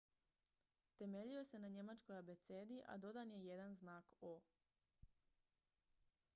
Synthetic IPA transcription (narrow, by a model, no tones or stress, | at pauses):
t̪e̞me̞ʎio̞se̞naɲe̞mat͡ʃko̞jabe̞t̪seːd̪iʔa̰d̪o̞d̪anje̞je̞d̪anznaːko